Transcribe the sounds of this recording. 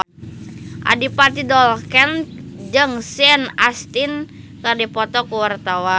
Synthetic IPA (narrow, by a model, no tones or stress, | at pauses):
ʔa̰dipat̪idɔlkɛnd͡ʒɨŋsɛnast̪in | kərdipɔt̪ɔkuwart̪awa